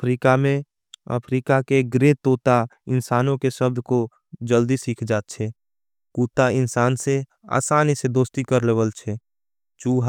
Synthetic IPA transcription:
əpʰɾiːkamẽ | ə̰pʰɾiːkakeɡɾeːt̪oːt̪aɪnsaːnõkeʃəb̚d̪ʱko | d͡ʒəld̪isiːkʰd͡ʒaːt̪̚t͡ʃʰɛ | kuːt̪aɪnsaːnse | a̰ːsaːnɪsed̪oːst̪ikəɾləwəlt͡ʃʰɛ | t͡ʃuːɦ

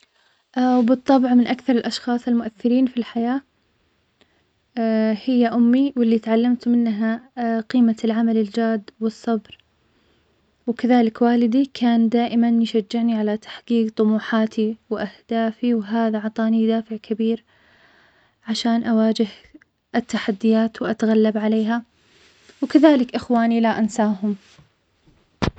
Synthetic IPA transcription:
ʔwbɨt̪ˤːɑbʕmɪnʔakθɑɾˤɪlʔɑʃxɑːsˤɪlmʊʔaθːɪɾiːnfilħajaː | hɪjːaʔʊmːiwɪlːit̪ʕalːamt̪mɪnːɦaqiːmalʕamalɪld͡ʒaːd̪wɨsˤːɑbɾ | wkaðaːlɪkwaːlɪd̪ikʰaːnd̪aːʔɪmanjʃad͡ʒːɪʕniʕalat̪ḁħqiːqt̪ˤʊmuːħaːt̪ʰiwʔahd̪̥aːfiwɦaːðaʕɑt̪ˤɑːnid̪aːfɪʕkʰabiːɾ | ʕaʃaːnʔawaːd͡ʒɪh | ʔɪt̪ːaħad̪ːɪjaːt̪wʔat̪aɣalːabʕaleːɦa | wkaðaːlɪkʔɪxwaːnilaʔansaːɦʊm

